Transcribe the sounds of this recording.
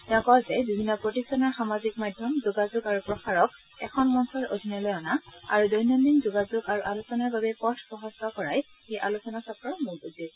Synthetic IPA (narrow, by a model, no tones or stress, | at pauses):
tɛ̃ʊ̃kɔzɛdubʱinːɔpɹotistɔnɔɹxamazikmadʱjɔmzoɡazʊɡaɹupɹɔxaɹɔk | ɛ̰kʰɔnmɔnsʰɔɹo̰dʱinɔjlɔjɔnaa̰ɹudɔjnɔndinzʊɡazʊɡaɹuʔalusɔnaɹbabɛkɔsʰpɔɦɔstɔkɔɹaj | xejʔa̰lusɔnasɔtɔɹmuɹuzi